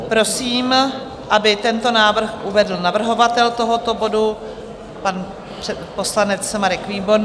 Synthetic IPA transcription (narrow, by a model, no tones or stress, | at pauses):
pɾo̞siːm | ʔabɪt̪ɛnt̪o̞naːvr̩xʔuvɛdl̩navr̩ɦo̞vat̪ɛlt̪o̞ɦo̞t̪obo̞du | pan | po̞slanɛt͡smaɾɛkviːbo̞ɾ